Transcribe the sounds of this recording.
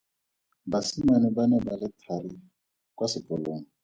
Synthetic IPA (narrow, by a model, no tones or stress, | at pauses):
basimanibanɛbalɪtʰari | kwasɪpʼʊloːŋɔ